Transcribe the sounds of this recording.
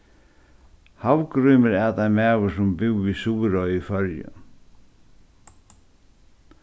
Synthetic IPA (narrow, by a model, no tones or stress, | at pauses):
hawkɾʏmɪɾɛt̪ajmɛːwəsʊmbɪwːisuːɾɔjifœɾjə̰